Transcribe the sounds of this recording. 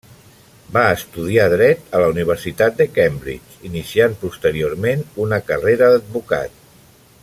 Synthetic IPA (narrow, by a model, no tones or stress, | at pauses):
baəst̪uð̞iaðɾɛt̪ələuniβ̞əɾsit̪at̪̚d̪əkɛmbɾḭt͡ʃinisiampust̪əɾioɾmenunəkəreɾəðəd̪̚βuka̰t̪